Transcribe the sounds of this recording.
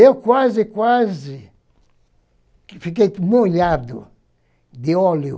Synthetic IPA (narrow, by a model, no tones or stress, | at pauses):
ewkwazikwazi | fikejmoʎaɾd̪ṵ | d̪iɔljṵ